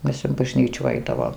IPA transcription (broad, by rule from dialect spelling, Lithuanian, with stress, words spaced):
ˈmʲɛs ɪn bɐˈʒʲnʲiːt͡ʃuː ˈɐɪdɐʋoːm